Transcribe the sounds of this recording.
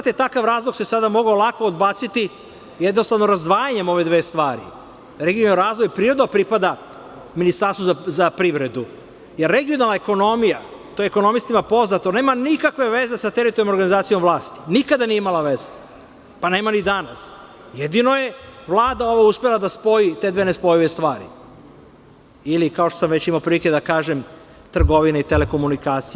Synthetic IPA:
zat̪et̪akaʋɾaːzlˠoɡsesad̪amoɡaolˠako̞ːd̪baːt̪sit̪i | jed̪nost̪aʋnoɾazd̪ʋaːjaɲemo̞ʋe̞d̪ʋeːst̪ʋaːɾḭ | ɾeɡionaɾaːzʋo̞jpɾiːɾod̪nopɾipad̪a | minist̪aɾst̪vozzapɾiʋɾe̞d̪u | jeɾːeɡijonalˠnaeko̞no̞mija | t̪ojeeko̞no̞mist̪imapo̞znat̪oneːmanikakʋe̞ʋeze̞sat̪eɾit̪oɾijnomoɾɡanizaːt̪sijo̞mʋlˠaːst̪i̥nikad̪anijeimalˠaʋeze | pane̞ːmanid̪anas | jed̪inoje̞ʋlˠaːd̪ao̞ʋauspelˠad̪aspo̞jit̪e̞d̪ʋenespo̞jiʋest̪ʋaːɾḭ | ilikao̞ʃt̪osamʋet͡ɕimaopɾilike̞d̪akaːʒem | t̪r̩ɡo̞ʋineit̪eleko̞munikaːt̪si

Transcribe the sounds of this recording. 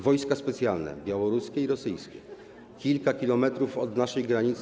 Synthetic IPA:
vɔjskaspɛt̪sʲjalnɛ̰bʲjawɔɾuskʲɛiɾɔsɘjskʲɛ | kʲilkakʲilɔmɛt̪ɾufɔd̪naʂɛjɡɾaɲit̪s

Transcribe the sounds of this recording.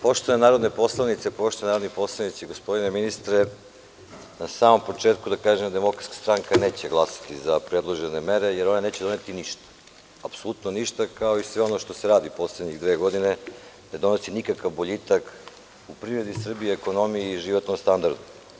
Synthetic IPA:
po̞ʃt̪oenaːɾod̪ne̞po̞slˠanit̪sepo̞ʃt̪onaɾod̪nipo̞slˠanit̪seiɡospo̞d̪ine̞minist̪ɾe | nasaːmo̞mpo̞t͡ʃeːt̪kud̪akaːʒemd̪emo̞kɾat̪kḁst̪ɾaŋkane̞ːt͡ɕeɡlˠasḁt̪izapɾed̪lˠoʒenemeɾe̞jeɾonane̞ːt͡ɕedo̞net̪iniʃt̪ḁ | apsolˠut̪noniʃt̪akao̞isʋeo̞no̞ʃt̪o̞seɾaːd̪ipo̞sled̪ɲiɣd̪ʋeːɡo̞d̪ine | ne̞d̪o̞nosinikakaʋboʎit̪ak | upɾivɾed̪isr̩bieːko̞no̞mieiʒiʋo̞t̪nomst̪and̪aɾd̪u

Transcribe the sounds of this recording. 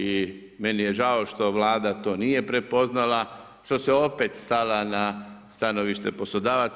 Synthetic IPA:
i | menijeʒao̞ʃt̪o̞ʋlaːd̪at̪o̞ːnije̞pɾe̞po̞znala | ʃt̪o̞seo̞pet̪st̪alanast̪ano̞ʋiʃt̪e̞po̞slod̪aːʋat̪s

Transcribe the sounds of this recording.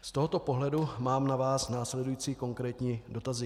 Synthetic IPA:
st̪o̞ɦo̞t̪o̞po̞ɦlɛdumaːmnavaːsnaːslɛdujiːt͡siːko̞ŋkɾɛːt̪ɲiːdo̞t̪azɪ

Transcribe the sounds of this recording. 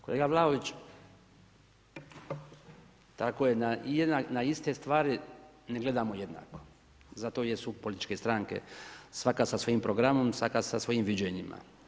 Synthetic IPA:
ko̞le̞ːɡaʋlˠaoʋit͡ʃ | t̪akojenajed̪nanaist̪e̞st̪ʋaːɾi | neɡle̞d̪amoje̞d̪na̰ːko̞ | zat̪o̞ːjesupo̞lit̪it͡ʃke̞st̪ɾaŋkḛsʋakasasʋo̞jimpɾo̞ɡɾamo̞msʋakasasʋo̞jimʋid͡ʑeɲima̰

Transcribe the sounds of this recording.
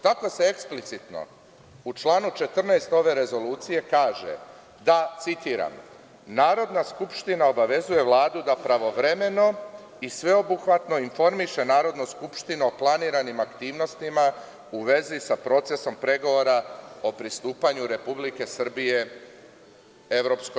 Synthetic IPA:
t̪ako̞se̞eksplit̪sit̪no̰ | ut͡ʃlˠaːnut͡ʃe̞t̪r̩nejst̪o̞ʋe̞ɾe̞zo̞luːt̪sije̞kaːʒe̞̰ | d̪at̪sit̪iːɾa̰m | naːɾo̞d̪naskupʃt̪inao̞baʋe̞zuje̞ʋlˠaːd̪ud̪apɾaʋo̞ʋɾe̞me̞no̞ | isʋe̞o̞buxʋat̪no̞info̞ɾmiʃe̞naːɾo̞d̪nuskupʃt̪inuo̞plˠaniːɾanimakt̪iːʋno̞st̪ima | uʋe̞zisapɾo̞ːt̪se̞so̞mpɾe̞ɡo̞ʋo̞ɾao̞pɾist̪uːpaɲuɾe̞publike̞sr̩bije̞ | e̞ʋɾo̞psko

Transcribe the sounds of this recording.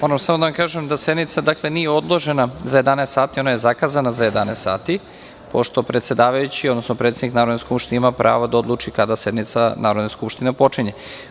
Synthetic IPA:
mo̞ɾamsamod̪aʋamkaːʒemd̪ase̞d̪nit̪sad̪aklˠe̞niːjeo̞d̪lˠo̞ʒe̞nazaje̞d̪anest̪saːt̪io̞naje̞zakazanazaje̞d̪aneːst̪sa̰ːt̪i | po̞ʃt̪o̞pɾe̞t̪sʲe̞d̪aːʋajut͡ɕiod̪nosnopɾe̞t̪ed̪iknaːɾod̪neskupʃt̪ineimapɾʔa̰ːʋod̪ao̞d̪lˠuːt͡ʃikad̪ase̞d̪nit̪sanʔaːɾod̪naskupʃt̪inepo̞t͡ʃiɲe

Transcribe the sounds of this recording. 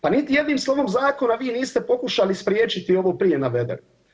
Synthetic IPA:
panit̪ije̞d̪niːmslˠo̞ʋomzaːko̞naʋiːniːst̪epo̞kuʃalispɾjeːt͡ʃit̪io̞ʋopɾijenaʋe̞d̪ḛɾ

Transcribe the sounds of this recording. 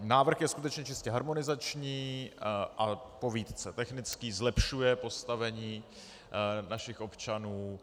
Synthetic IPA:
naːvr̩xjɛskut̪ɛt͡ʃɲɛt͡ʃɪscɛɦaɾmo̞nɪzat͡ʃɲiː | ʔapo̞viːt̪t͡sɛt̪ɛxnɪt͡skiːzlɛpʃujɛpo̞st̪avɛɲiː | naʃɪxʔo̞pt͡ʃanuː

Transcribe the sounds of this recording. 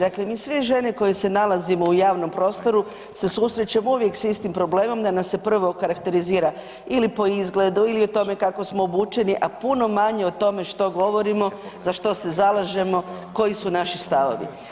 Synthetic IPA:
d̪akle̞miːsʋeʒe̞neko̞jese̞nalazimo̞ujaːʋno̞mpɾo̞ːst̪o̞ɾu | se̞susɾe̞t͡ɕamouʋje̞ksist̪impɾo̞ble̞ːmo̞md̪anamse̞pr̩ʋo̞kaɾakt̪e̞ɾiziːɾa | ilipo̞izɡle̞d̪uilio̞t̪o̞me̞kakosmoːbuːt͡ʃe̞niʔapuno̞maɲe̞ot̪o̞me̞ʃt̪o̞ɡo̞ʋo̞ɾimo̞ | zaʃt̪o̞se̞zalˠaʒe̞mo̞ko̞jisunaʃist̪aʋo̞̰ʋḭ

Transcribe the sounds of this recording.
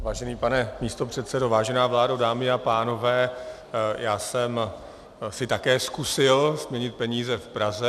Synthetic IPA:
vaːʒɛniːpanɛmiːst̪o̞pr̝̥ɛt̪sɛdo̞vaːʒɛnaːvlaːdodaːmɪapaːno̞vɛː | jaːsɛm | sɪt̪akɛːskusɪlzmɲɛɲɪt̪̚pɛɲiːzɛfpɾazɛ

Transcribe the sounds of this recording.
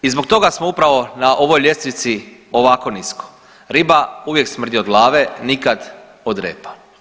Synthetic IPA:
izbo̞k̚t̪o̞ɡasmoupɾaʋo̞naʔo̞ʋojʎʲe̞st̪ʋit̪sio̞ʋako̞nisko̥ | ɾibauʋje̞ksmr̩d̪ʲiod̪ɡlˠaːʋenikad̪ | od̪ɾeːpḁ

